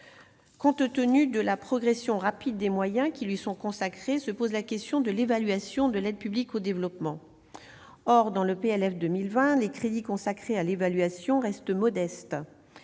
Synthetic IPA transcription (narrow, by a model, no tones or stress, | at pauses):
kɔ̃t̪t̪ənyd̪əlapχɔɡʁesjɔ̃ʁapid̪̚ːemwajɛ̃kʲilɥisɔ̃kɔ̃sakχesəpozlakʲɛst̪jɔ̃d̪əlevalɥasjɔ̃d̪əlɛd̪̚pyblikod̪evlɔpmɑ̃ | ɔʁd̪ɑ̃ləpeɛlɛfd̪əmilvɛ̃lekχed̪ikɔ̃sakχealevalɥasjɔ̃ʁɛst̪əmɔd̪ɛst̪